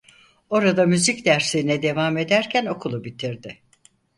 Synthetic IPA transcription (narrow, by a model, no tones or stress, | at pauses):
o̞ɾad̪amyzicd̪æɾseinɛd̪e̞vaːme̞d̪æɾcʰæno̞kʰulˠubit̪ʰiɾd̪ɪ